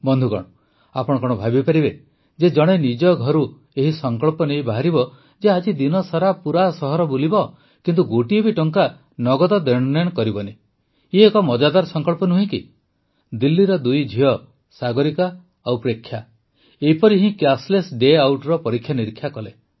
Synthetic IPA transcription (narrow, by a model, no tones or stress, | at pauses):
bɔnd̪ʱukɔ̰ɽ̃ɔ | apɔɽ̃ɔkɔɽ̃ɔbʱabipaɾibe | d͡ʒed͡ʒɔɽ̃enid͡ʒɔɡʱɔɾu | eɦisɔŋkɔɭpɔnejbaɦaɾibɔ | d͡ʒead͡ʒid̪inɔsaɾapuɾasɔɦɔɾɔbulibɔ | kint̪uɡoʈiebiʈɔŋka | nɔɡɔt̪ɔd̪eɾɽ̃ɔnɔjɔ̃kɔɾibɔne | iekɔmɔd͡ʒad̪aɾsɔŋkɔɭpɔnuɦĩki | d̪ilːiɾɔd̪ujd͡ʒʱiɔ | saɡɔɾika | awpɾekʰːja | eɦipɔɾiɦĩkjaslesɖeawʈɾɔpɔɾikʰjaniɾikʰːjakɔle